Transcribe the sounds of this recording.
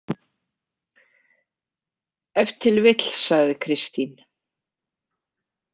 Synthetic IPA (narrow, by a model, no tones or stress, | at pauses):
ɛft̪ʰːɪlvɪt̪l̥saɣðɪkʰɾɪst̪in